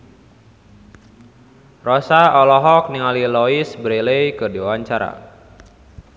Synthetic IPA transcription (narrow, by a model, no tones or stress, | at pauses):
rɔsaɔlɔɦɔk̚niŋalilɔisbəɾelejkɨrdiawaɲt͡ʃaɾa̰